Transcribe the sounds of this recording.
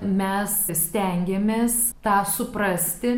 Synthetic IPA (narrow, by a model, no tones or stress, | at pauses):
mʲɛssʲt̪ʲɛŋʲɡʲemʲeːst̪ɑːsʊpɾɐsʲt̪ʲɪ